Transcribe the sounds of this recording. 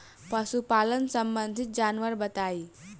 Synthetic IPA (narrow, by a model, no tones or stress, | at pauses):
pəsupalənsəmbənd̪ʱit̪̚d͡ʒanʋəɾbət̪ai